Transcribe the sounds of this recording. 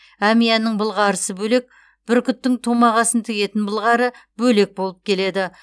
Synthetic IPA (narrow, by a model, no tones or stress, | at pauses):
æmijɑnɪɴbəlˠʁɑɾəsəbɵle̞k̚ | b̥ɪɾkʲʰʏt̪ːɪŋt̪ʰo̞mɑʁɑsənt̪ʰɪɡʲe̞t̪ɪnbəlˠʁɑɾəbɵle̞k̚bo̞lˠəp̚kʲʰe̞le̞d̪ɪ